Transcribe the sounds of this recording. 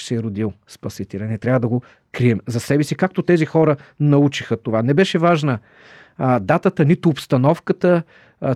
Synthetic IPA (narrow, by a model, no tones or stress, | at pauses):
sɛɛɾod̪ilˠspɐsit̪ɛlʲɛnɛt̪ɾʲavəd̪ɐɡo | kɾiɛmzɐsɛbɛsikak̚t̪ot̪ɛzixɔɾənɐut͡ʃixət̪ovanɛbɛʃɛvaʒnə | d̪at̪ət̪ənit̪ʊːpst̪ɐnɔfkət̪ə